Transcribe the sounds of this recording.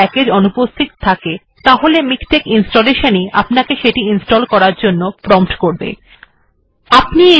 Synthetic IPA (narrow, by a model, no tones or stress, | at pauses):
ɛkeɾonupost̪ʰit̪t̪ʰake | t̪aɦolemikʈekinsʈoleʃania̰pnakeʃeʈiinsʈɔlkɔɾaɾd͡ʑonːopɾɔmpʈkoɾbḛ | apnie